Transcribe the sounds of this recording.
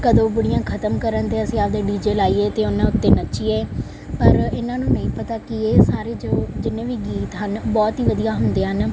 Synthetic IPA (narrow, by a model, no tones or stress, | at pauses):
kəd̪õːbʊɽɪjãːkʰət̪əmkəɾənt̪eːəsĩːaːld̪eːɖiːd͡ʒeːlaːiːeːt̪eːʊnãːʊt̪ːeːnət͡ʃiːɛː | pəɾɪnãːnũːnəĩːpət̪aːkɪeːsaːɾeːd͡ʒoːd͡ʒɪnːẽːʋiːɡiːt̪ɦənbɔːt̪ɦiːʋəd̪ijaːɦʊnd̪eːɦən